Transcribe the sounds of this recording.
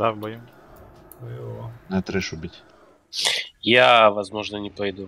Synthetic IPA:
d̪avbɐju | jnɛt̪ɾɛʃʊbʲitʲ | javɐzmoʐnənʲɪpɐjd̪u

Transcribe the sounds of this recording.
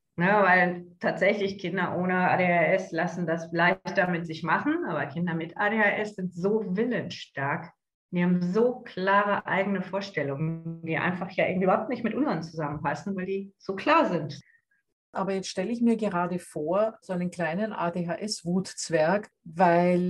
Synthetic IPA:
nəvaɪltʰaːtz̥ɛçlɪçkʰɪndɐʔoːnəa̰ːdeːaɛslasn̩dasflaɪçtɐmɪtz̥ɪçmaχn̩ʔaːbɐkʰɪndɐmɪtaːdeaʔɛsz̥ɪntz̥oːvɪlənʃtaɐk | d̥iːhaːbm̩zoːkʰl̥aːʁəʔa̰ɪɡənəfoːɐʃtɛlʊŋəd̥iːʔa̰ɪnfaχjaːʔɪ̰ŋ̩tʔyːbɐhaʊp̚tnɪçtmɪtʔʊnzɐnt͡suzamənpasn̩vaɪldiːz̥oːkʰl̥aːɐzɪnt | ʔaːbɐjɛt͡stʃtɛləɪçmiːɐɡəʁaːdəfoːɐzoaɪnəmkl̥aɪnənʔa̰ːdeːɦaʔɛsv̥uːtt͡sv̥ɛɐk | vaɪl

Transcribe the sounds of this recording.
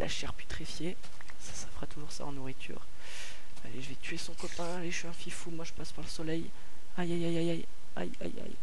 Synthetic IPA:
lʔa̰ʃɛʁpy̥t̪χifje | sḁsḁfʁat̪uʒuʁsa̰ɑ̃nuʁit̪ʰy̰ːʁ | aleʒəvɛt̪ɥesɔ̃kɔtɛ̃aleʃyɛ̃fifumwaʒəpaspaʁləsɔlɛj | ajajajajaj | a̰ja̰ja̰j

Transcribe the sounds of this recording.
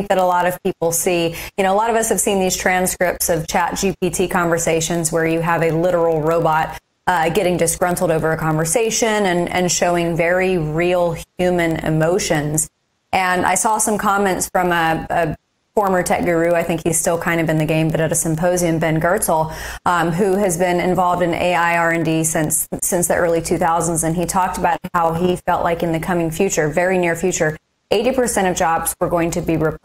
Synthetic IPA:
ŋk̚ðɨɾəlɔɾʌv̥p̚ʰipl̩ˠsijɨnoʊəlɔɾʌvʌshɨv̥sĩnðiz̥tʰɹ̥æ̃nskɹɪp̚tsʌv̥t͡ʃʰæt̚d̥ʒ̥ip̚ʰitʰikʰɑ̃ɱvə˞seɪʃɨ̃nzwə˞jɨəvɨlɪɾə˞l̩ˠɹoʊbɑt̚ | ɡɛɾɪ̃ŋd͡ʒʌsɡ̥ɹʌ̃ntʰˡl̩ˠdoʊvə˞ɨkʰɑ̃ɱvə˞seɪʃɨ̃nɨ̃nɨ̰̃nʃoʊɪ̃ŋvɛɹiɹilˠhjʉmɨ̃nɪ̰moʊʃɨ̃nz | ʔɨ̃nʔa̰ɪsɔsʌ̃mkʰɑmɛ̃ntsfɹʌ̃məɨ | fɔɹmə˞tʰɛ̰k̚ɡ̥ə˞ʉaɪθɪ̃ŋkhiz̥stɪlˠkʰãɪ̃ndʌvɨ̃nðɨɡẽɪ̃mbʌɾɨɾɨsɨ̃mpʰoʊziɨ̃mbɛ̃nɡɜ˞tl̩ˠ | ɦʉɨzbɪ̃nɨ̰̃ɱvɑlˠvdɨ̃nʔḛɪaɪɑɹɨ̃ndisɪ̃nsːɪ̃nsðḭʔɜ˞lˠitʰʉθaʊzə̃n̩zɨ̃nitʰɔk̚təbaʊt̚haʊifɛlˠʔlaɪkɨ̃nðɨkʰʌmɪ̃ŋfjʉt͡ʃə˞vɛɹinɪɹfjʉt͡ʃə˞ | ʔeɪɾipʰə˞sɛ̃ɾ̃ʌvd͡ʒɑbz̥wə˞ɡoʊɪ̃ŋtʰɨbiɹɨp

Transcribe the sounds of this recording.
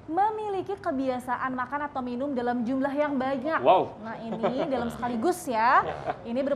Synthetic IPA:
məmilikikəbiasaʔanmakanat̪awminʊmdalamd͡ʒumlaɦjaŋbaɲəkwawnahinidalamsə̥kaliɡʊsjainibər

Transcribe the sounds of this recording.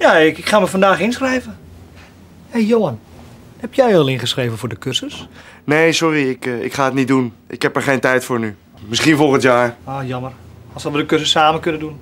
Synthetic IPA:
jaɪɪkχaːməfɔndaːxɪnsχrɛjvə | ɛjoan | hɛpjɛjɔlˠɪnχəsreːvənfʊːdəkøsəsneːsɔriɪkɪ̰kχaːətnit̚dunʔɪkhɛpəɹχeːntɛjtfoːrny | mɪsχinfɔlˠɣəntjaːroːjɔmərɔlˠsɔlʋədəkøsəsaːməkønədun

